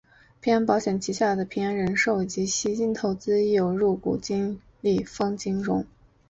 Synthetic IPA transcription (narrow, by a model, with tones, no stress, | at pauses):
pʰi˧˥nɑ˥npɑ˧˥ʊɕjɛ˨˩nt͡ɕʰi˧˥ɕja˥˩d̪ə˩pʰi˧˥ŋa˧˥nɻə˧˥nʂo˥˩ʊi˨˩t͡ɕi˧˥ɕi˧˥t͡ɕi˥˩nt̪ʰo˧˥ʊt͡sɹ̩˥jo˨˩ʊɻu˥˩kṵ˨˩t͡ɕi˥ŋ | li˥˩fɑ˥ŋt͡ɕi˥ŋɻʊ̰˧˥ŋ